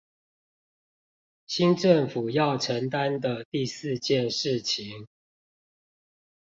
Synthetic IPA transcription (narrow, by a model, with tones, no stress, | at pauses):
ɕi˦nʈ͡ʂə˥˨ŋfu˨˩jɑ˥˨˩ʊʈ͡ʂʰə˨˦ŋt̪a˦nd̪ə˨t̪i˥˨sɹ̩˥˧t͡ɕjɛ˥˨nʂɻ̩˥˨t͡ɕʰi˨˦ŋ